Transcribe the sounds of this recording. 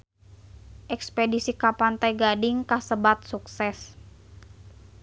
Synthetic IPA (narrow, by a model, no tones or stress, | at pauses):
ʔɛkspedisikapant̪ajɡadɪŋkasəbat̪̚suksɛs